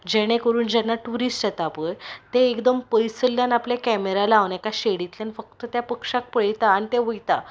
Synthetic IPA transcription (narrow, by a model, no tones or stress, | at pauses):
d͡ʑeɽ̃ẽkəɾuːnd͡ʑanːaʈuɾisʈjat̪apəjt̪eːkd̪əmpəjsəljanapljakɛmeɾalaːʋnɛkaɕeɽit̪ljanifək̚t̪ət̪japəkʂak̚pəɭjt̪aːñit̪eʋəjt̪a